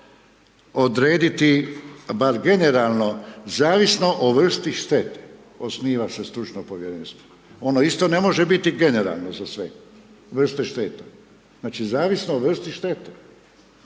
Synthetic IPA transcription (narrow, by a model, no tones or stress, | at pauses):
o̞d̪ɾeːd̪it̪ibaɾɡe̞ne̞ɾaːlˠno̞zaːʋisno̞ʔoʋr̩st̪iʃt̪et̪e | osniːʋasest̪ɾut͡ʃnopoʋjeɾeːnst̪ʋooo̞noist̪o̞ne̞mo̞ʒebit̪iɡe̞neɾa̰ːlˠnozasʋe | ʋr̩st̪eʃt̪et̪a | znaːt͡ʃizaːʋisnooʋr̩st̪iʃt̪et̪e